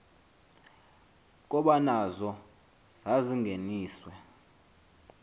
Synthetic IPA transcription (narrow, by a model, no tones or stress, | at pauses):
k̬ʼɔɓanazɔ | z̥aziŋɡʱeniːswɛ